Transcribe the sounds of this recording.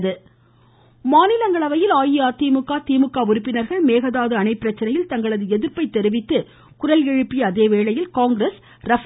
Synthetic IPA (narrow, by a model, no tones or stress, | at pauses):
ðɯ | maːnɪlɐŋɡɐɭɐʋɐjɪlaːjɪaːt̪iːmɯkːaːt̪iːmɯkːaːʊɾɯpːɪnɐɾɣɐɭmeːɣɐðaːðɯɐnɐɪpːɪɾɐt͡ʃːɐnɐjɪlt̪ɐŋɡɐɭɐðɯɛðɪɾpɐɪt̪ːɛɾɯʋɪt̪ːɯ | kʊɾɐlɛɻɯpːɪjɐɐðeːʋeːɭɐjɪlkaːŋɡɾɐs | ɾɐf